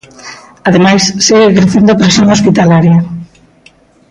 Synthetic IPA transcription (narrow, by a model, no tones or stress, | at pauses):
aðemajsseɣekɾeθend̪opɾesjõŋospit̪alaɾjɐ